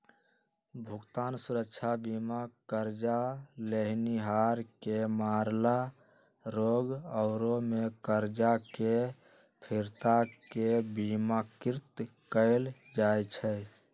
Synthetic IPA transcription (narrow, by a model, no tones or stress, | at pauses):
bʱʊɡt̪aːnsʊɾəkʃʰabiːmakəɾd͡ʒaleɦniɦaːɾkemaːɾla | ɾoːɡɔʊɾomẽkəɾd͡ʒake | pʰɪɾt̪akebiːmakɪɾt̪kəɪl | d͡ʒaːjt͡ʃʰɛ